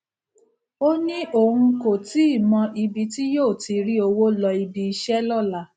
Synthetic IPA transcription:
o˦nĩ˦ʔo˨ũ˧ko˨ti˨˦i˦˨mɔ̃˧ʔi˧bi˧ti˦joː˦˨ti˧ɾi˦o˧wo˦lɔ˧i˧bi˧i˧ʃɛ˦lɔ˦˨la˦˨

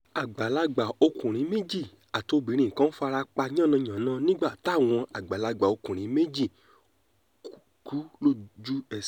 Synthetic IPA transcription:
a˨ɡ͡ba˨la˧ɡ͡ba˨o˧kũ˨ɾ̃ĩ˨˦me˦d͡ʒi˦˨ | a˨to˧bĩ˨˦ɾ̃ĩ˨kã˦fa˧ɾa˧k͡pa˧ɲ˦ã˦˨nã˧˨ɲã˨˦nãː˦nĩ˦ɡ͡ba˦˨ta˨˦˨w̃ɔ̃˧a˨ɡ͡ba˨la˧ɡ͡ba˨o˧kũ˨ɾ̃ĩ˨˦me˦d͡ʒi˦˨ | ku˨˦lo˦˨d͡ʒu˦ɛ˦˨

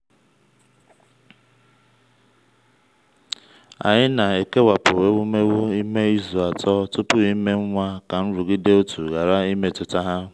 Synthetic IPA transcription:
a̰˨ɲɪ˦na˨e˨ke˦wa˨pʊ˨we˦wʊ˦me˦wʊ˦i˦me˦i˦zu˨a˨tɔ˦tʊ˦pʊ˦i˦me˦ŋ̩˦ŋʷa˦ka˨n̩˦ɾʊ˨ɡi˦de˦o˦tʰu˨ɣa˨ɾa˦i˦me˦tʊ˨ta˦ɦa˦

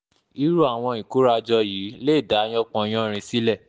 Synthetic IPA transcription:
i˨˦ɾu˦a˦˨w̃ɔ̃˧ĩ˨ku˦ɾa˧d͡ʒɔ˧jiː˨˦le˦˨da˨˦j̃ɔ̃˦k͡pɔ̃˧j̃ɔ̃˦˧ɾ̃ĩ˧si˦lɛ˦˨

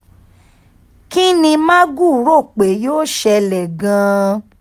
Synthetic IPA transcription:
ki˦nĩ˧mã˦ɡu˦˨ɾo˦˨k͡pe˨˦joː˦ʃɛ˧lɛ˨ɡã˨˧

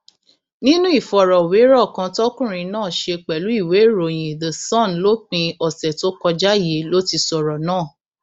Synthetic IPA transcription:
nĩ˦nũ˦i˦˨fɔ˨ɾɔ˨we˨˦ɾɔ˦˨kã˧tɔ˦kũ˦˨ɾ̃ĩ˧nãː˦˨ʃe˧k͡pɛ˨lu˨˦i˦˨we˨˦˨ɾo˨j̃ĩ˨ðə˨sɔ̃˦˨nlo˦k͡pĩ˧ɔ˨sɛ˨to˦kɔ˧d͡ʒa˦˨je˨˦lo˦ti˧sɔ˨ɾɔ˨nãː˦˨

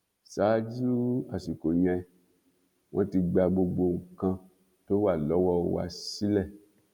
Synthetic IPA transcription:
saː˨˦d͡ʒu˦a˦˨ʃi˨ko˨j̃ɛ̃˧ | w̃ʔɔ̃˦ti˧ɡ͡ba˧ɡ͡bo˧ɡ͡bo˧˨ŋ̩˨kã˧ | to˦wa˦˨lɔ˨˦wɔ˦˧wa̰˧si˦lɛ˦˨

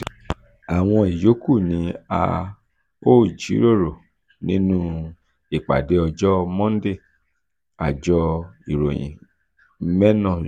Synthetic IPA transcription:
a˨w̃ɔ̃˧i˨jo˨˦ku˦˨nĩ˨˦a̰˧ | o˦˨d͡ʒḭ˨˦ɾo˦˨ɾo˨ | nĩ˦nũ˦ | i˨k͡pa̰˨de˨˦ɔ˧d͡ʒɔ˦mɔ̃˦n˦de˦˨ | a̰˨d͡ʒɔ˧i˨ɾo˨jḭ̃˨ | mɛ˦nɔ̃˦˨

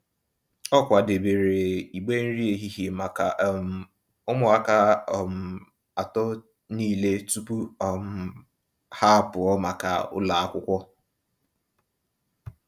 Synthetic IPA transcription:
ɔ˦kʷa˨de˨be˨ɾe˨i˨ɡ͡be˦n̩˦ɾi˦e˨ɦi˦ɦi˨ma˨ka˨ | ʊ˦mʊ˨a˦ka˦˨m̩˨ | a˨tɔ˦ | niː˦˨le˦tu˦pu˦ɔ˨m̩˨ | ha˦˨pʊ˨ɔ˦ma˨ka̰˨ʊ̰˦la˨a˦kʷʊ˦kʷɔ˦

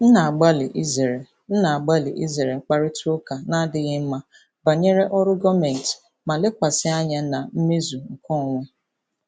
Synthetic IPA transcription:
n̩˦na˨a˨ɡ͡ba˦lɪ˨ʔi˦ze˨ɾe˨ | n̩˦na˨a˨ɡ͡ba˦lɪ˨ʔi˦ze˨ɾe˨ŋ͡m̩˦˨k͡pa˦ɾɪ˦to˦ka˨na˦dɪ˦ɣɪ˦m̩˦ma˦ | ba˨ɲe˦ɾe˦ʔɔ˦ɾʊ˦ɡɔ˦me˨n˨t | ma˨lɪ˦kʷa˨sɪ˦a˦ɲa˦na˨m̩˦me˦zu˨ŋ̩˨kɔ˦˨ŋʷe˦

